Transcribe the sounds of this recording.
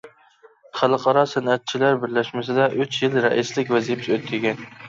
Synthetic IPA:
χælˠɨqʰɑɾɑsænæt̪̚t͡ʃʰilæɾbɪɾlæʃmɪsɪd̪ɛʔyt͡ʃjilɾɛʔislɪkʲvæzijpʰɪøt̪ʰːɪɡʲɛn

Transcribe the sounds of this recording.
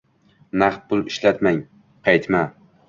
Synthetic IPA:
naχt̪̚pʊlˠɪʃlat̪maŋ | qʰɑjt̪ma

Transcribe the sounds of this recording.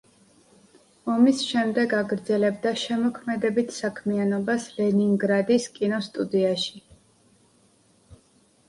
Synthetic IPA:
ɔmisʃɛmd̪ɛɡaɡɾd̪zɛlɛb̚d̪aʃɛmɔkʰmɛd̪ɛbit̪ʰsakʰmianɔbaslɛniŋɡɾad̪iskʼinɔst̪ʼud̪iaʃi̥

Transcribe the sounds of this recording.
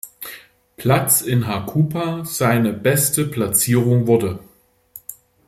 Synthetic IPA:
pl̥at͡sɪnɦakʰuːpʰaz̥aɪnəbɛstəpl̥at͡siːʁ̞ʊŋvʊɐdə

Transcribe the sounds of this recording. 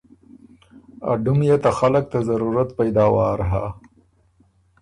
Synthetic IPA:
a̰ɖumjet̪axalək̚t̪azaɾuɾat̪pajd̪ɑwɑɾɦa

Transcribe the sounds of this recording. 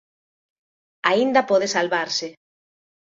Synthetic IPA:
aind̪apɔðesalβaɾsɪ

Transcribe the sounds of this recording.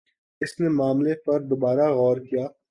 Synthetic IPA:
ɪsnemaːmlepɐɾd̪obaːɾaɣɔːɾkijaː

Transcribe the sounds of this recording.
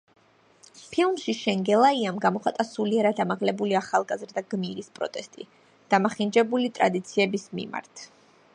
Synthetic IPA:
pʰilˠmʃiʃɛŋɡɛlˠaiamɡamɔχat̪ʼasuliɛɾad̪amaʁlɛbuliaχalˠɡazɾd̪aɡmiɾispʼɾɔ̰t̪ʼɛst̪ʼḭ | d̪̥amaχind͡ʒɛbulit̪ʼɾa̰d̪it̪sʰiɛbismḭma̰ɾt̪ʰ

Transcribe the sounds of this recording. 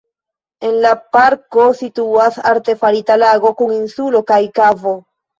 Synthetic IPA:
e̞nlapaɾko̞situasa̰ɾte̞faɾitalaɡo̞kuŋinsulo̞kajkavo̞

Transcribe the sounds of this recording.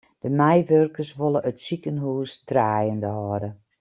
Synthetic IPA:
d̥əmɛjʋørkərsʋolˠəʔətsikənɦuːsdraːjəndəhɔːdə

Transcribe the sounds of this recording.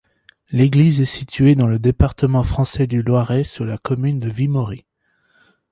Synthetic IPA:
leɡlizɛsit̪ʰyed̪ɑ̃ləd̪epaʁt̪əmɑ̃fχɑ̃sɛd̪ylwaʁɛsuʁlakɔmynd̪əvimɔʁi

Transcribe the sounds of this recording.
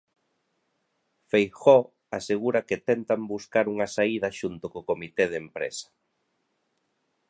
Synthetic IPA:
fejxɔ | aseɣuɾɐkɪt̪ɛnt̪ambuskaɾuŋɐsaiðɐʃunt̪okokomit̪eð̞empɾḛsɐ̥

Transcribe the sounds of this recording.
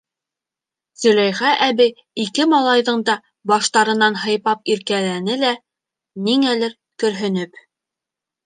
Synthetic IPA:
zɵ̆læjʁæʔæbi | ikɘmɑlˠɑjðɤɴd̪ɑ | bɑʃt̪ɑɾɤ̆nɑnɦɤ̆jpɑp̚iɾkælænɘlæ | niŋælɘɾ | kɵ̆ɾɦɵ̆nɘp

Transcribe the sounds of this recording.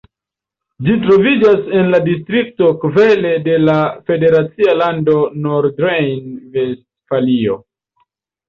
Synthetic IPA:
d͡ʒitɾo̞vid͡ʒase̞nladistɾik̚to̞kve̞le̞de̞lafe̞de̞ɾat͡sialando̞noɾdɾejnvestfalio̞̰

